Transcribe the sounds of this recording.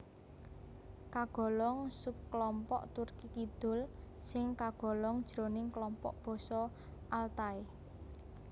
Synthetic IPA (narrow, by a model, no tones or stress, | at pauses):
kaɡ̥ɔ̤lɔŋsup̚klɔmpɔ̰ʔt̪urkik̪id̪̥ʊ̤l | sɪŋkaɡ̥ɔ̤lɔŋd̥ʒ̥ɾo̤nɪŋklɔmpɔ̰ʔb̥ɔ̤sɔ | ʔalt̪ae